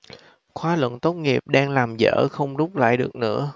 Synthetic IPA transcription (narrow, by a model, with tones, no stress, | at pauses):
xwaː˨˦lwə̰˧˨nt̪o˦˥t̚ŋi˨˩əp̚ɗaː˧ŋlaː˨˩mzə̰ː˧˥xə˧wŋ͡mzʊ˦˥k͡p̚la̰ː˧˨jɗɨ˨˩ək̚nɨ̰˧˥ə